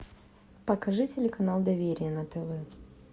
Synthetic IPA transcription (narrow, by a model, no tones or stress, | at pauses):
pɐkɐʐɨtʲɪlʲɪkɐnalˠd̪ɐvʲeɾʲɪjənɐt̪ɛvɛ